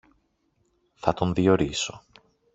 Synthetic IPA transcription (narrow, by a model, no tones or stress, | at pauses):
θɐt̪o̞nðio̞ɾiso̞